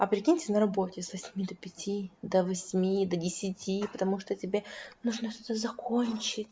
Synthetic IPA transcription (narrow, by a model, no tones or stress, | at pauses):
ɐpɾʲɪkʲinʲtʲɪnəɾɐbotʲɪsvɐsʲmʲid̪əpʲɪtʲʰid̪əvɐsʲmʲid̪ədʲɪsʲɪtʲipət̪ɐmuʂt̪otʲɪbʲenuʐnəʂt̪ot̪əzɐkʰo̞nʲt͡ɕɪtʲ